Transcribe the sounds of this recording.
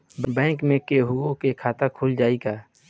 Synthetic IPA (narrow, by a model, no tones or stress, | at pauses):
bbɛ̃ːkmẽkeɦʊõkekʰaːt̪akʰuːld͡ʒaːiɡaː